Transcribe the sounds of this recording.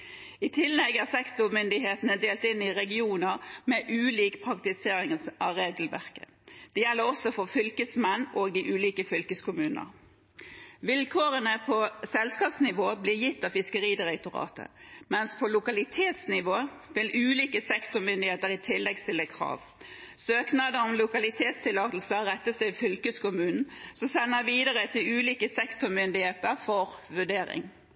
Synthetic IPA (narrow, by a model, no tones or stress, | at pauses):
ɪt̪ʰɪlːɛɡhæʁsɛkt̪ʊmʏnd̪ɪɦeːt̪ənəd̪eːlt̪ɪnɪʁɛɡɪuːnəʁmɛʔʉːliːkpʰʁɑkt̪ɪseːʁɪŋʔɑʁeːɡlʋæ̰ʁkə̰ | d̪̥ɛjɛlːəʁɔsɔfɔʁfʏlkəsmɛnːʔoːɡɪʔʉːliːkəfʏlkəskʰʊmʉːnə̰ʁ | ʋɪlkʰoːʁənəpʰɔsɛlskɑːpsnɪʋoːbliːjɪt̪ːɑfɪskəʁiːd̪ɪʁɛt̪ʊʁɑ̰ːt̪ʰə̰mɛnspʰɔlʊkɑlɪt̪ʰeːt̪snɪʋoː | ʋɪlʔʉːliːkəsɛkt̪ʊmʏnd̪ɪheːt̪əʁɪt̪ʰɪlːɛɡst̪ɪlːəkʰʁɑ̰ːʋ | søːknɑd̪əɔmlʊkɑlɪt̪ʰeːt̪st̪ʰɪlɑːt̪l̩səʁɛt̪ːəsɛɪfʏlkəskʊmʉːnn̩sɔsɛnːəʋiːd̪əʁət̪ʰɪlʉːliːkəsɛkt̪ʊmʏnd̪ɪheːt̪əʁfɔʁʋʉɖeːɾɪ̰ŋ